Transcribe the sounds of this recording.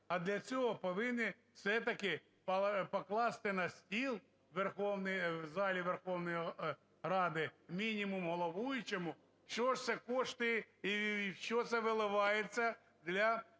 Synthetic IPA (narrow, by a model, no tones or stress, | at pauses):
ɐd̪lʲɐt͡sʲoɦɔpɔʋɪnːɪ | fsɛt̪ɐkɪ | pɐpɔklˠɑst̪ɪnɐsʲtʲilˠ | ʋerxɔwnɪjwzɑlʲiʋerxɔwnɔj | rɑd̪ɪmʲinʲimʊmɦɔlˠɔʋujʊt͡ʃɛmʊ | ʃt͡ʃɔʂt̪sɛkɔʂt̪ɪit͡ʃɔt̪sɛʋɪlˠɪʋɑjet͡sʲːɐ | d̪lʲɐ